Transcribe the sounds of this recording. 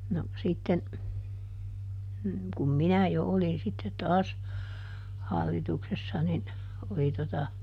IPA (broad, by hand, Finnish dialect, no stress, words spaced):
no sitːen kum minæ jo olin sitːe tɑːs hɑlːituksesːɑ nin oli totɑ